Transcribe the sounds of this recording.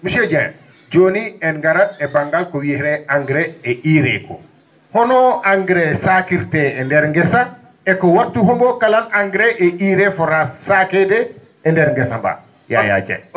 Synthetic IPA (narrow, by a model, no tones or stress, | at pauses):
muʃɛd͡ʒaja̰ | d͡ʒoniɛnɡaɾaɛbaŋɡalkɔwihɾɛaŋɡɾɛɛʔiːɾɛ̰kɔ̰ | hɔnɔaŋɡɾɛsakiɾtɛɛndɛɾŋɡɛsa | ɛkɔwatːuɦɔmbɔkalanaŋɡɾɛʔɛiɾɛfɔɾasakɛdɛ | ɛndɛɾŋɡɛsamba̰ | ja̰ja̰d͡ʒa̰j